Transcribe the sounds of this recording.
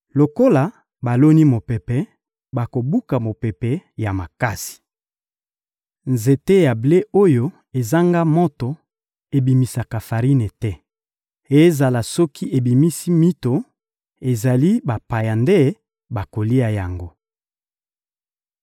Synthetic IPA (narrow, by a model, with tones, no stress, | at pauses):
lo˨ko˦la˨ | ba˨lo˦ni˦mo˨pɛ˨pɛ˨ | ba˨ko˨bu˦ka˨mo˨pɛ˨pɛ˨ja˨ma˨ka˦si̥˨ | nze˨te˦ja˨ble˦o˦jo˦ | e˨za˦ŋɡa˦mo˦to˨ | e˨bi˨mi˨sa˨ka˨fa˨ʁi˦ne˨tɛ˦ | e˨˦za˨la˨sɔ˦kʰi˦ʔe˨bi˨mi˦si˦mi˦to˨ | e˨za˨li˦ba˨pa˨ja˨nde˦ | ba˨ko˨li˦a˨ja̰˨ŋɡo˦